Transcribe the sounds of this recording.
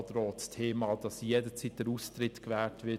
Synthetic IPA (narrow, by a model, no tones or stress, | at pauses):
t̪ɾɔːtstʰeːmɑd̥ɑsjedət͡siːt̚d̥əɾust̪ɾɪtkʋɛːltʋɪ